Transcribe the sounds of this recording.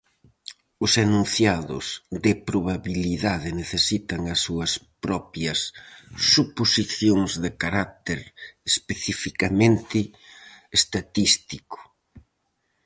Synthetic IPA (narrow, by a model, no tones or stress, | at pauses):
ʊsanũn̟θjaðʊ̰zðɪpɾoβaβiliðaðɪneθesit̪ɐŋɐsːuɐspɾɔpjɐsː | uposiθjoŋzðɪkaɾat̪eɾespeθifikamẽnt̪ɪː | st̪at̪ist̪ikʊ̥